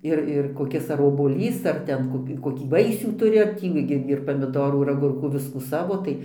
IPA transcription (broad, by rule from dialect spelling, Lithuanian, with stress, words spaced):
ˈɪr ɪr koːˈkʲɪs ɐr oːbuɔˈlʲiːs ɐr ˈtʲɛn ˈkoːkʲɪ koːˈkʲiː ˈʋɐɪsʲuː ˈtʊrʲɪ ɐr ˈtʲiː ɡʲɪ ɪr pɐmʲɪˈdoːruː ɪr ɐˈɡʊrkuː ˈʋʲɪskuː ˈsɑːʋoː tɐɪ